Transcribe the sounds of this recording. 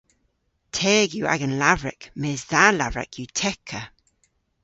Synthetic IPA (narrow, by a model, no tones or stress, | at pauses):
tʰɛːɡjuːa̰ɡənlavɹɛ̰kmeːzðaːla̰vɹɛ̰kʰjuːtʰɛkʰə